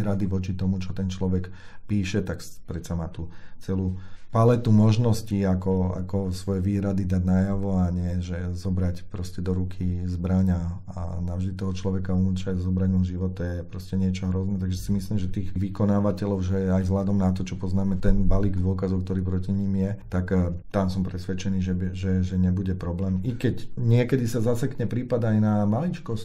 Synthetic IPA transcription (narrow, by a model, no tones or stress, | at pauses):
ɾad̪iʋɔt͡ʃit̪ɔmut͡ʃɔt̪ɛnt͡ʃlɔʋɛkpiːʃɛt̪akpɾɛt̪samaːt̪ut͡sɛluːpalɛt̪umɔʒnɔsciakɔa̰kɔsʋɔjɛʋiːɾad̪id̪aɟnajaʋɔaɲɪɛʒɛzɔbɾacpɾɔscɛd̪ɔɾukʰizbɾaɲa | a̰naʊvʒd̪it̪ɔɦɔt͡ʃlɔʋɛkaunut͡ʃazɔbɾaɟmɔnʒiʋɔt̪ɛjɛpɾɔscɛɲɪɛt͡ʃɔɦɾɔznɛt̪aɡʒɛsimisliːmʒɛt̪iːɣʋikɔnaːʋacɛlɔʊʒɛajzɦlad̪ɔmnat̪ɔt͡ʃɔpɔznaːmɛt̪ɛnbaliːɡd̪ɔkazɔʊk̚t̪ɔɾiːpɾɔciɲimjɛt̪akt̪amsɔmpɾɛsʋɛt͡ʃɛniːʒɛbʒɛʒɛɲɛbuɟɛpɾɔblɛːmikɛcɲɪɛkɛd̪isazasɛkɲɛpɾiːpad̪ajnamalit͡ʃkɔsc